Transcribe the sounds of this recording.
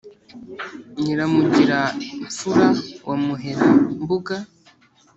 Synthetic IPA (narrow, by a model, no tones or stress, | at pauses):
ɲiɾamuɟiɾaɱfuɾawamuɦeɾambuɡa